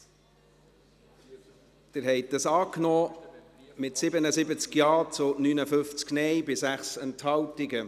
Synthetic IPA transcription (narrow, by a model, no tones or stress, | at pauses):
d̪̥ɪɾɦɛɪt̚dɑsɑːknɔː | mɪtsɪbənəsɪbət͡skjɑːt͡sʊnynəfʏft͡sknɛjbɪsæχsɛnthɑwtɪɡə